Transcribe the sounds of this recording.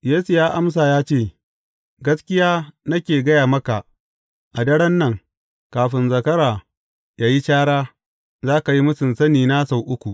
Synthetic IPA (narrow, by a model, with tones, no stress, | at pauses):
jeː˦su˨jaː˦ʔa˦msaː˨jaː˦t͡ʃeː˦˨ | ɡɐ˦skʲɪ˦jaː˦nɐ˦kʲeː˨ɡɐ˦jaː˨mɐ˦ka˨ʔ | ʔa˨dɐ˦ɽɐ˦nːɐ˦˨ŋ | kaː˨ɸɪ˨nzɐ˨kɐ˦ɾaː˨ | jaː˦ji˦t͡ʃaː˦ɽaː˦ | zaː˦ka˨ji˦mʊ˦sɪ˨nsɐ˦niː˨na˦sa˨wʔʊ˦kʷu˨ʔ